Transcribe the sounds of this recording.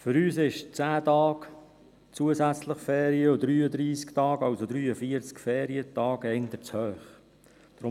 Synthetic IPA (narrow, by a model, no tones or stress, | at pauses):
fʏɾyːsɪʃt͡sæːtɑːk | t͡suəzæt͡sləχfɛːɾiəod̪ɾyːəd̪ɾiːsktɑːɡɑwsod̪ɾyːəfiəɾt͡skfɛːɾiətɑːɡɛnd̪ət͡shœːχ | d̥ɾʊ